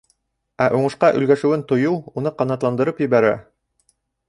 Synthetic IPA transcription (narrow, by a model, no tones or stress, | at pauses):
æʔuɴɤ̆ʃqɑʔɵ̆lɡæʃɘ̆wɘnt̪ŏjuunɤqɑnɑt̪lˠɑnd̪ɤ̆ɾɤpjɵ̆βæɾæ̰